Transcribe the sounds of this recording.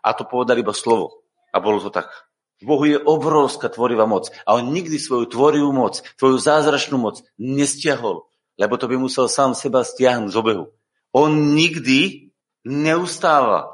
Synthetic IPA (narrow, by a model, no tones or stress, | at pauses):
ʔa̰t̪ɔpɔʋɛd̪alibaslɔʋɔ̰ | ʔa̰bɔlɔt̪ɔt̪a̰k | vbɔɦujɛʔɔbɾɔwskat̪ʋɔɾiʋamɔt͡saɔnɲiɡd̪isʋɔjut̪ʋɔɾiʋumɔt͡ssʋɔjuzaːzɾat͡ʃnuːmɔt͡s | ɲɛscɪaɦɔl | lɛbɔt̪ɔbimusɛlsaːmsɛbastɪaɦnuɟzɔbɛɦṵ | ɔnɲiɡd̪i | ɲɛust̪aːʋa̰